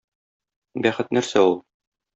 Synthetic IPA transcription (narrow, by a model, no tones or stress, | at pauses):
bæχɘt̪̚næɾsæulˠ